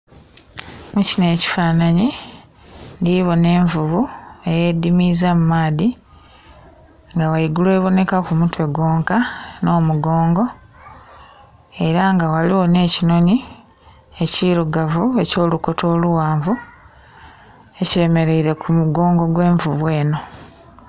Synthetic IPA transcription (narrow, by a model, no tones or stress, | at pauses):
mucine̞ːci̥faːnaɲi | ndiβo̞ne̞ːɱvuβue̞je̞dːimizamumaːði | ŋɡawaiɡulwe̞ːβo̞ne̞kakumutwe̞ɡo̞ːŋkano̞ːmuɡo̞ːŋɡo̞ | e̞ɾaŋɡawaliwo̞ne̞ːcino̞ni | e̞ciːɾuɡavue̞co̞ːluko̞tʰo̞ːluwaːɱvu | e̞ceːme̞ɾe̞iɾe̞kʰumuɡo̞ːŋɡo̞ɡwe̞ːɱvuβwe̞ːno̞